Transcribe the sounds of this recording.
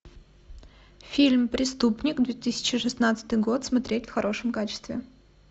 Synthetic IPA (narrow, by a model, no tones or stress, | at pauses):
fʲilʲmpɾʲɪst̪upnʲɪkd̪vʲet̪ɨsʲɪ̥t͡ɕɪʂɨsnat̪sɨ̥t̪ɨjɡo̞t̪smɐt̪ɾʲetʲfxɐɾo̞ʂəmkat͡ɕɪ̥st̪vʲɪ